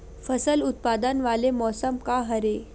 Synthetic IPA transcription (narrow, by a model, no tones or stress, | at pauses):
fəsəlut̪̚pad̪ənʋalemɔsəmkaɦəɾe